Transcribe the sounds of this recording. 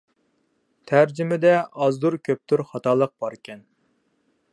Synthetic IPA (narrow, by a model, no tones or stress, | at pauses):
t̪ʰæɾd͡ʒymɪd̪ɛʔɑzd̪uɾkʲʰøp̚t̪ʰyɾχɑt̪ɑːlˠəq̚b̥ɑɾkʲɛn